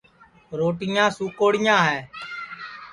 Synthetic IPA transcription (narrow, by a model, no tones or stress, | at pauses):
ɾoːʈɪjãːsuːkoːɽɪjãːɦɛː